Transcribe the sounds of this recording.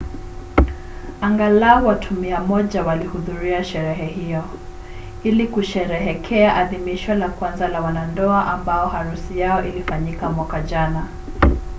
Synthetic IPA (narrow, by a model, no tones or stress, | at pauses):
aŋɡalaɔwatʰumiamɔʄawalihuðuɾiaʃɛɾɛɦɛhijɔ | ilikuʃɛɾɛɦɛkʰɛaʔaðimiʃwalakwanzalawanandɔaʔambaɔhaɾusijaɔʔilifaɲikamwakaʄana